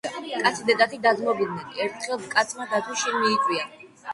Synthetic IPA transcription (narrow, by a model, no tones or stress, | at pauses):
kʼat̪sʰid̪ɛd̪ʼat̪ʰid̪azmɔbud̪̚nɛnɛɾt̪ʰχɛlˠkʼat̪sʰmad̪at̪ʰuʃiɾmiːtʼwia